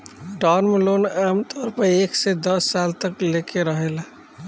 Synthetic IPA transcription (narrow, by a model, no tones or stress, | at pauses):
ʈɔːnmeloːnɛmt̪ɔːɾpəeːksed̪əsːaːlt̪əklekʰeɾəɦela